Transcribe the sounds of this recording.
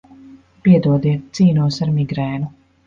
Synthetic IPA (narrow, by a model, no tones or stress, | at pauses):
piɛd̪uɔd̪iɛt̪̚t̪siːnuɔsaɾmiɡɾɛːnu